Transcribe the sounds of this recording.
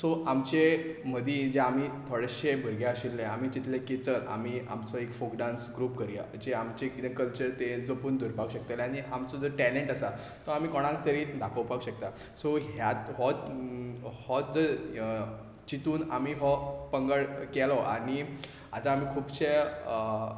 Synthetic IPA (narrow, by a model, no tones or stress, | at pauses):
sɔʔamt͡ɕem̤əd̪ʱiːd͡ʑeamit̪ʰoɽəɕebʱəɾɡeaɕilːẽam̤iːt͡ɕit̪lekit͡səɾa̰miːa̰mt͡sɔekfokɖãnsɡɾuːpkəɾija̰d͡ʑeamt͡ɕekit̪kəlt͡ɕəɾt̪ed͡zopund̪ʱuɾpakɕək̚t̪alaɽ̃iʔamt͡sɔd͡zəɾʈɛleɳʈəsa | t̪ɔam̤iːkɔɽ̃ãŋk̚t̪əɾiːd̪akʰəwpakɕəkt̪a | sɔɦjat̪ɦɔ | hɔd͡zə | t͡ɕit̪uːnamiːɦɔpəŋɡəɭkɛlɔʔa̰ɽ̃i | at̪aːm̤iːkʰuːbɕe